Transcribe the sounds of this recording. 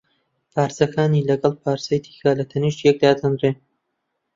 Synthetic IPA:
pʰaːɾsɐkʰaːniːlɐɡɐlˠpʰaːɾsɐjt̪ʰi̥ːxaːlɐt̪ʰɐniʃjɛk̚d̪aːd̪ɐnreː

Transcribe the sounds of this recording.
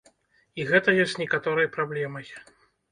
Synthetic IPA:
iɣɛt̪ɐjɔsʲt̪ʲnʲɛkat̪ɔɾɨjpɾablʲɛmɐj

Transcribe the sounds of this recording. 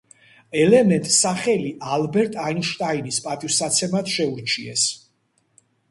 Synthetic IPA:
ɛlɛmɛnt̪ʼsaχɛliʔalbɛɾt̪ʼainʃt̪ʼainispʼat̪ʼivsat̪sʰɛmat̪ʰʃɛuɾt͡ʃʰiɛs

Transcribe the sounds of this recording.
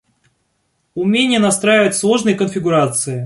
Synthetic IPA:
ʊmʲenʲɪjənɐst̪ɾajɪvətʲslˠo̞ʐnɨjəkənfʲɪɡʊɾat̪sɨɪ

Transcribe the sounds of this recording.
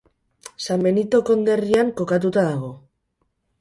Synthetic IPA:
sambe̞nit̪o̞ko̞nd̪e̞riaŋko̞kat̪̬ut̪aðaɣ̞o̞

